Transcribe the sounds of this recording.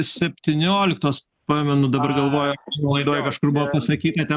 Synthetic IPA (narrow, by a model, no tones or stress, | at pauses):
sʲɛpʲt̪ʲɪnʲoːlʲɪkt̪oːs | pɑːmʲɛnʊd̪ɐbɐrɡɐlˠʋoːjonulˠɐɪd̪oːjɛkɐʃkʊrbʊʋoːpɐsɐkʲiːt̪ɐt̪ʲɛ